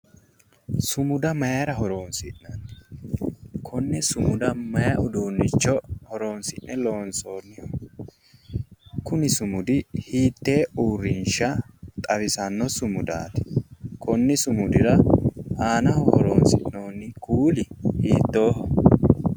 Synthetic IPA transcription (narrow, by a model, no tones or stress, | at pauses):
sʊmʊd̪ɐmɐjɐɾɐɦɔɾo̞ːnsɪʔnɐnː | kʰɔnːɪsʊmʊd̪ɐmɐjɐʔʊd̪uːnːɪt͡ʃːɔhɔɾo̞ːnsɪʔnɛlo̞ːnsoːnːɪ | kʊnɪsʊmʊd̪ɪhiːt̪ːe̞ːuːrːɪnʃɐt̪ʼɐbɪsɐnːɔsʊmʊd̪a̰ːt̪ɪ̥kʰɔnːɪsʊmʊd̪ɪɾɐaːnɐhɔhɔɾo̰ːnsɪ̰ʔnoːnːɪkʰuːlɪhiːt̪ːo̞ːɦɔ